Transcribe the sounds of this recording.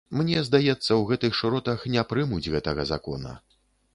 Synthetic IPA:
mnʲɛzd̪ajɛt̪sːɐwɣɛt̪ɨxʂɾɔt̪ɐxnʲɛpɾɨmud͡zʲɣɛt̪ɐɣɐzakɔ̰nɐ̰

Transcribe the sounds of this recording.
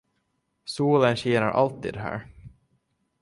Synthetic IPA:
suːlənɕeːnaɾʔa̰lt̪ːḭːd̪ɛɦæ̰ːɾ

